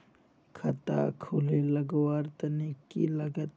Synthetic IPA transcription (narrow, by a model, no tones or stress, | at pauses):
kʰɐt̪a̰kʰuleləɡwaɾt̪ənikːḭləɡət̪